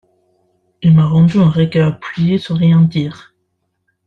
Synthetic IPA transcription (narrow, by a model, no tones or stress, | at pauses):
ilmaʁɑ̃d̪yɛ̃ʁeɡœapɥijesɑ̃ʁjɛ̃d̪iːʁ